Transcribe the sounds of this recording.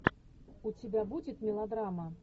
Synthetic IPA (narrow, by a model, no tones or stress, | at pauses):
ut͡sʲibʲabud͡zʲit̪ʲmʲɛlˠad̪ɾamɐ